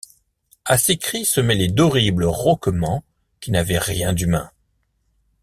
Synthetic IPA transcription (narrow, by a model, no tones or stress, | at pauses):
asekχisəmɛlɛd̪ɔʁibləʁɔkmɑ̃ | kʲinavɛʁjɛ̃d̪ymɛ̰̃